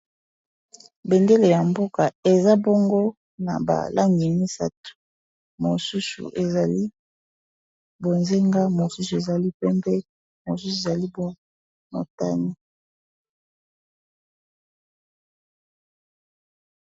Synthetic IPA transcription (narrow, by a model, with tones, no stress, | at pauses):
be˨nde˦le˨ja˨mbo˦ka˨e˨za˦bo˦ŋɡo˦ | na̰˨ba̰˨lʔa˦ŋɡi˨ni˦sa̰˦tu̥˨ | mo˨su˦sṵ˨ʔe˨za˨li˦ | bo˨nze˦ŋɡa˦mo˨su˦su˨e˨za˨li˦pɛ˦mbɛ˦ | mo˨su˦su˨e˨za˨li˦bo˦ | mo̰˨ta˦ni˦